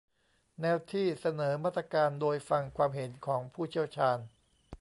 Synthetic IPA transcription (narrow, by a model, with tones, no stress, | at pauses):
nɛː˧wt̪ʰiː˥˩sa˧nɤː˩˦maː˥˩t̪ɾa˧kaː˧ndoː˧jfa˧ŋkʰwaː˧mɦe˩˦nkʰɔː˩˦ŋpʰuː˥˩t͡ɕʰi˥˩əwt͡ɕʰaː˧n